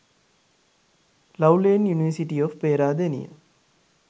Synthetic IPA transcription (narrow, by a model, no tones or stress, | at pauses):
lɐwleːnjuniʋəsiʈiofpeːɾaːd̪enḭjə̰